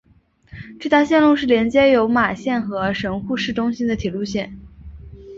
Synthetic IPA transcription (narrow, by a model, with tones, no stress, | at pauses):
ʈ͡ʂɤ˥˧t̪a˥˧ɕjɛ˥˧nlu˥˧ʂɻ̩˥˩ljɛ˧˥nt͡ɕjɛ˥jo˧˥ʊma˨˩ɕjɛ˥˩nxɤ˧˥ʂɤ˧˥ŋxu˥˧ʂɻ̩˥˩ʈ͡ʂʊ˥ŋɕi˥nd̪ə˨t̪ʰi˨˩lu˥˧ɕjɛ˥˩n